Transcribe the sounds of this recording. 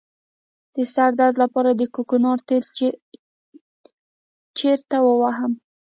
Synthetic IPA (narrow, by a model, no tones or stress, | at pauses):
d̪̥əsaɾd̪aɾd̪lapɑɾad̪əkukunɑɾt̪el | t͡ʃeɾt̪awəwaɦəm